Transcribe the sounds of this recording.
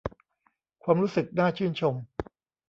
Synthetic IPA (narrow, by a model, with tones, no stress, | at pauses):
kʰwaː˧mɾuː˦˥sɯ˨˩k̚naː˥˩t͡ɕʰɯː˥˩nt͡ɕʰo˧m